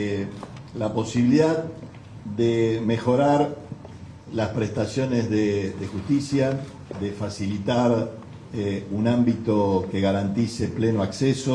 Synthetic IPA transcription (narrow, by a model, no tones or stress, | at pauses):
lapo̞siβiliðað | ðemexo̞ɾaɾ | laspɾest̪asjo̞nezðeðexust̪isja | ðefasilit̪aɾ | unãmbit̪o̞ke̞ɣaɾant̪ise̞plenoakseso